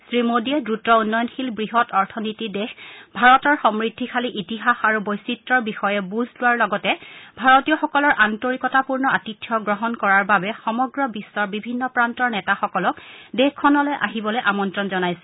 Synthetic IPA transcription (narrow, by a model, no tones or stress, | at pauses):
sɹimodiɛdɹutɔunːɔjɔnxilbɹiɦɔtɔɹtʰɔnitidexbʱaɹɔtɔɹxɔmɹidʱːikʰaliʔitiɦaxaɹubojsitɹɔɹbixɔjɛbuzʱlʊwaɹlɔɡɔtɛbʱaɹɔtijɔxɔkɔlɔɹʔantoɹikɔtapuɹnɔatitʰːjɔɡɹɔɦɔnkɔɹaɹbabɛxɔmɔɡɹɔbisːɔɹbibʱinːɔpɹantɔɹnɛtaxɔkɔlɔkdɛxkʰːɔnɔlojʔa̰ɦibɔlojʔamɔntɹɔnzɔnajsɛ̥